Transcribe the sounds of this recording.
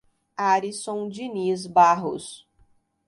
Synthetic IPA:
aɾisõd͡ʒinizbaɦʊ̰s

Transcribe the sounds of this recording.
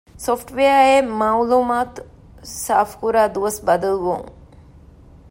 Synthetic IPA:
sofʈʋeɐemawluːmaːt̪ | saːfkuɾaːd̪uʋɐsbɐd̪ɐlʋṵŋ

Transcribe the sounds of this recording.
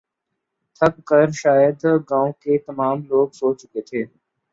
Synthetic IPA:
t̪ʰɐkːəɾʃaːjəd̪ɡãːõkeːt̪ɐmaːmloːɡsoːt͡ʃʊket̪ʰeː

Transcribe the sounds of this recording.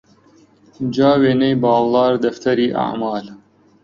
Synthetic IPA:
d͡ʒaːweːnɐjbɑːlzɑːɾd̪ɐft̪ʰɐɾiːʔa̰ʕmɑːl

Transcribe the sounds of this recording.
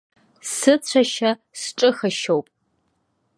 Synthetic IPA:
sɨt͡ɕʷʰɐʃɐ | sʈ͡ʂʼɨxɨʃowpʼ

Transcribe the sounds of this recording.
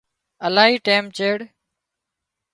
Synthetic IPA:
əlaːɦiːʈeːmt͡ʃeːɽ

